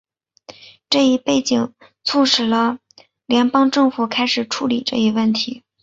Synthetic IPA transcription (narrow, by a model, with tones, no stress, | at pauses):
ʈ͡ʂɤ˥˧i˥˧pe˥˩ɪt͡ɕi˨˩ŋ | t͡sʰu˥˩ʂɻ̩˨˩lə˧ | ljɛ˧˥npɑ˥ŋʈ͡ʂɤ˥˩ŋfu˨˩kʰa˥ɪʂɻ̩˨˩ʈ͡ʂʰu˧˥li˨˩ʈ͡ʂɤ˥˧i˧˥wə˥˩nt̪ʰi˧˥